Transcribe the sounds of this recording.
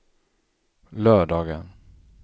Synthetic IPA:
lœːɖɑːɡən

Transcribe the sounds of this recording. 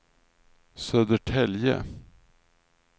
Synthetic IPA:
søːd̪əʈʰɛljə̰

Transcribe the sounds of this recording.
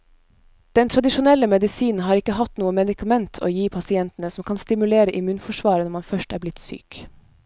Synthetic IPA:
d̪̥ɛnt̪ʰɾɑd̪ɪʃʊnɛlːəmɛd̪ɪsiːnn̩ɦɑːɾɪkːəhɑt̪nuːəmɛd̪ɪkɑmɛnt̪ʰo̰ːjiːpʰɑsɪɛnt̪ən̩əsɔmkʰɑnst̪ɪmʉleːɾəʔɪmʉːnfɔʂʋɑːɾənɔɾmɑnfœʃʈæːɾblɪt̪sy̰ːk

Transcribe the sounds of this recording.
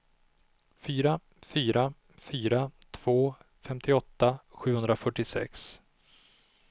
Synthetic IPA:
fyːɾa | fyːɾa | fyːɾat̪ʰv̥oː | fɛmt̪ʰɪɔt̪ːaɧʉ̟ːhɵnd̪ɾafœʈːɪsɛ̰ks

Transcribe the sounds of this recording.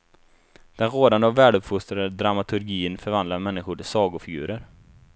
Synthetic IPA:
d̪̥ɛnɾoːd̪and̪əɔvɛːlɵpfʊst̪ɾad̪əd̪ɾamat̪ʰɵɾɡiːənfœɾvand̪laɾmɛnːɪɧʊʈɪsɑːɡʊfɪɡʉ̟̰ːɾəɾ

